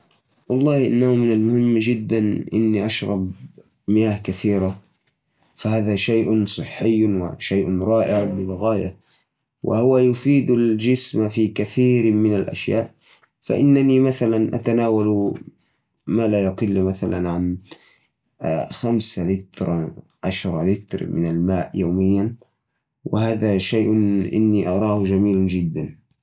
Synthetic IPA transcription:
wɑlˤːɑːhʔɪ̰nːahʊmɪnalmʊhɪmːd͡ʒɪd̪ːanʔɪnːiʔaʃɾɑb | mɪjaːhkaθiːɾa | fahaːðaʃajʔsˤɨħːɪjːwɪ̰ʃajʔɾˤɑːʔɪʕbɪlɣaːja̰ | wʔɪ̰hʊwajʊfiːd̪ald͡ʒɪsmafiːkaθiːɾmɪnalʔa̰ʃjaːʔ | fa̰ʔɪnːanimaθalanʔa̰t̪anaːwal | maːlajʊqɪlːmaθalanʕan | xamsalɪt̪ɾˤ | ʕaʃɾˤɑlɪt̪ɾmɪnalmaːʔjaːmɪjːan | wɪ̰haːðaʃajʔʔɪ̰nːiʔɑɾˤɑːhd͡ʒamiːld͡ʒɪd̪ːan

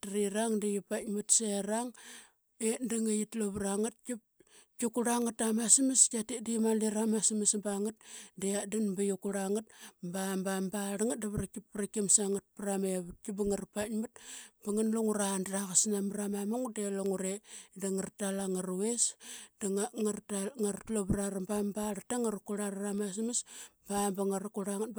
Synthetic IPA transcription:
tɾiɾaŋdijipatmutseɾaŋ | endaŋajitloβɾaŋat̚kip̚ | kukuɾaŋatamasimiskatidimaliɾamasimisbaŋat̚deadinbajukuɾaŋat̚bambambaɾaŋat̚daβɾakippɾakimsaŋat̚pɾameβut̚kibaŋaɾpatmut̚baŋanluŋuɾandɾaɣasnamɾamamuŋdeloŋuɾedaŋartalaŋaɾuwesdaŋŋaɾtaŋaɾtloβɾaɾambambaɾataŋaɾukuɾaɾaramas̬misbambaŋaɾakuɾaŋat̚

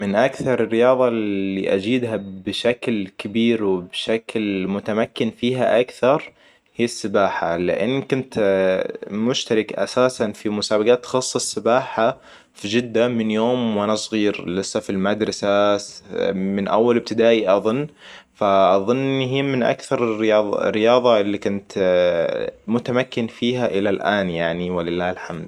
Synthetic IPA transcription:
mɪnʔakθɑɾˤɪrːɪjɑːðˤɑlːḭʔad͡ʒiːd̪ɦabɪʃaklkɪbiːɾwɪbʃaklmʊt̪amakːɪnfiːɦaʔakθɑɾˤ | hiːɪsːɪbaːħa̰lɪ̰ʔɪ̰nːkʊnt̪ | mʊʃt̪aɾɪkʔa̰saːsanfimʊsaːbaɡaːt̪ːxɑsˤːɨsːɪbaːħa | fid͡ʒɪd̪ːamɪnjoːmwanasˤɣiːɾlɪsːafilmad̪ɾˤɑsa | mɪnʔawːalɪb̚t̪ɪd̪aːʔiʔɑðˤʊnːfaʔɑðˤʊnːɦiːmɪnʔa̰kθɑɾˤɪrjɑːðˤrːɪjɑːðˤɑɪlːikʊnt̪ | mʊt̪amakːɪnfiːɦaʔɪlalʔaːnjaʕniwɪlɪlːaːhɪlħamd̪

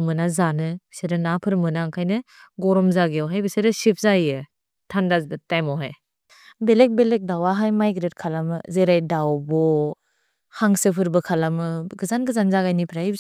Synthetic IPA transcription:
mɯnazanɯbseɾɯnapʰɯɾmɯnaŋkʰajnɯɡɔɾɔmzaɡeɔwɦajbɯseɾɯsip̚ʰzajjɯ | tʰandazbɯtajmɔɦaj | belek̚belek̚dawaɦajmajɡɾet̚kʰalamɯzeɾajdawbɔ | haŋsɯpʰɯɾbɯkʰalamɯɡɯzanɡɯzanzaɡajnipʰɾajb

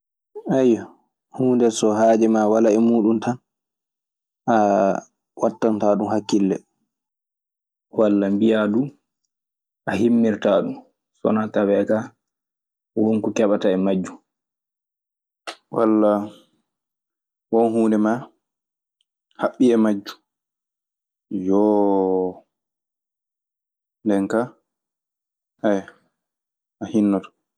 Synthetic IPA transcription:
ajːɔ | huːndɛsɔhaːd͡ʒɛmawalaɛmuːɗuntan | ʔa | watːantaɗumhakːilːɛ̰ | walːambijadu | ʔahimːiɾtaːɗum | sɔ̰natawɛka | wonkɔkɛɓataɛmad͡ʒːu | wa̰lːa | wɔnhuːndɛma | haɓːiɛmad͡ʒːu̥ | jɔ | ndɛŋka | ʔɛj | ʔahinːɔtɔ̥

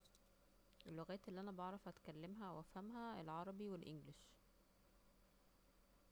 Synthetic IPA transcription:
ʔelːoɣæːt̪ʔelːiʔænæbɑʕɾˤɑfʔæt̪kælːemɦæwʔæfhæmɦæelʕɑɾˤɑbiwelʔeŋɡlɪʃ

